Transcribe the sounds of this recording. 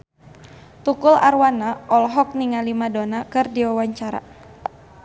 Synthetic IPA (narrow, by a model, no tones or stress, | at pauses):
t̪ukʊlarwanaɔlɦɔk̚niŋalimadonakɨrdiwawaɲt͡ʃaɾa̰